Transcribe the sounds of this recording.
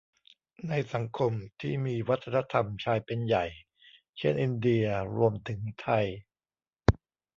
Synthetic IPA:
na˧jsa˩˦ŋkʰo˧mt̪ʰḭː˥˩miː˧wa˦˥t̪ʰːa˧na˧˥t̪ʰa˧mt͡ɕʰaː˧jpe˧nja˨˩j | t͡ɕʰe˥˩nʔi˧ndi˧ɐɾu˧əmt̪ʰɯ˩˦ŋt̪ʰa˧j

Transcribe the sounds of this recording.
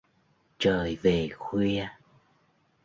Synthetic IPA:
t͡ɕəː˨˩jve˨˩xwi˧ə

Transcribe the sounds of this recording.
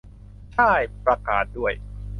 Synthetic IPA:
t͡ɕʰa˥˩jpɾa˧kaː˨˩t̪̚du˥˩əj

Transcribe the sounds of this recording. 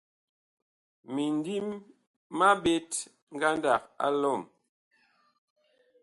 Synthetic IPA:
mi˨ndi˦mː | a˦ɓe˦t | ŋ̩˦ɡa˦nda˨k̚a̰˦lɔ˦˨m

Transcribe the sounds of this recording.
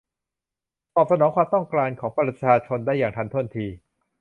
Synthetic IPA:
t̪ɔː˨˩p̚sa˧nɔː˩˦ŋkʰwaː˧mt̪ɔ˥˩ŋklaː˧nkʰɔː˩˦ŋpɾa˧t͡ɕʰaː˧t͡ɕʰo˧ndaː˥˩jaː˨˩ŋt̪ʰa˧nt̪ʰu˥˩ənt̪ʰiː˧

